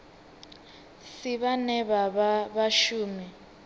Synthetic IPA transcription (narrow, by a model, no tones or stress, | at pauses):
siβanɛβaβaβaʃuːmi